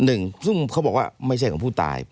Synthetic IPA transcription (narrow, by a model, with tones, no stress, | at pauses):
nɯ˨˩ŋsɯ˥˩ŋkʰa˦˥wbɔː˨˩k̚waː˥˩ma˥˩jʰa˥˩kʰɔː˨˧˦pʰːt̪a̰ː˧j